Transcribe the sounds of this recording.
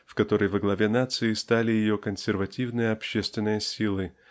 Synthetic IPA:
fkɐt̪o̞ɾəjvəɡlˠɐvʲe̞nat̪sɨɪst̪alʲɪjɪjo̞kənsʲɪrvɐtʲivnɨjəɐpɕːest̪vʲɪnːɨjəsʲilˠɨ

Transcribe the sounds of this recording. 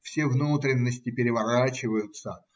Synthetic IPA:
fsʲevnut̪ɾʲɪnːəsʲtʲɪpʲɪɾʲɪvɐɾat͡ɕɪvəjʊt̪sə

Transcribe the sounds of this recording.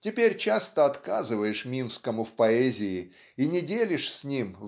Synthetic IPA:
tʲɪpʲeɾʲt͡ɕast̪əɐt̪kazɨvəjɪʂmʲinskəmʊfpɐɛzʲɪɪ | inʲɪdʲelʲɪʂsʲnʲim

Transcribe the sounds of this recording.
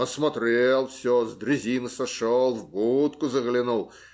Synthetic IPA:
əsmɐt̪ɾʲelˠfsʲozd̪ɾʲɪzʲinɨsɐʂolˠvbut̪kʊzəɣlʲɪnulˠ

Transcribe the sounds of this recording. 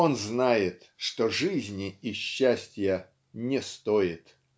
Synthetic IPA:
o̞nznajɪt̪ʂt̪oʐɨzʲnʲɪɪɕːæsʲtʲjə | nʲɪst̪oɪt̪

